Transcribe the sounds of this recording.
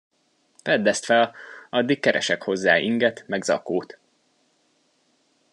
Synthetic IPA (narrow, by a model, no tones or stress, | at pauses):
fɛd̪ːɛst̪fɛlɒd̪ːikkɛɾʔɛ̰ʃɛkho̞zːa̰ːʔiŋɡɛt̪mɛɡzɒ̰koːt̪